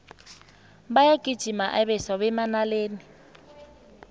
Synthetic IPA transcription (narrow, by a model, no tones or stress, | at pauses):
bajaɡ̥ʱʼid̥ʒ̥ʱimaʔaβɛsaβɛmanaleːni